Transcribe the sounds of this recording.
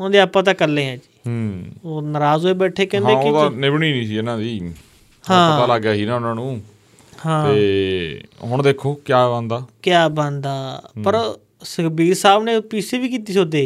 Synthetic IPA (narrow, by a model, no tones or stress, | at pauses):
ʊnãːd̪eːaːpːãːt̪̬ãːkəlːẽːãːd͡ʒiːɦoːnəɾaːzoːeːbɛːʈʰeːkɛ̃ːnd̪ẽːɪːd̪anɪbɳiːnĩːsiːɪnãːd̪iː | hãːaːlaːɡjaːɦiːnaːʊnãːnũː | hãːeː | ɦʊɳd̪eːkʰːoːkɪjaːbə̃nd̪aːkjaːbə̃nd̪aːpəɾ | səkbʱiːɾsaːbneːpiːseːbiːk̬iːt̪iːsoːd̪eː